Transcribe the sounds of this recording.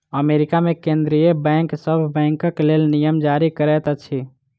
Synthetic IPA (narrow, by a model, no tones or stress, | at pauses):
əmeːɾɪkamẽkẽnd̪ɾijebɛ̃ːŋksəbʱbɛ̃ːŋkəklelnijəmd͡ʒaɾikəɾɛt̪ət͡ʃʰi